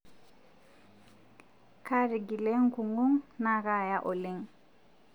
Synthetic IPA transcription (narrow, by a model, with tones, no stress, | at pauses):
ka˦ɾi˨ɡi˨le˦ŋku˨ŋɡu˦ŋna˦ka˦˨ja˦ʔo˨le˦ŋ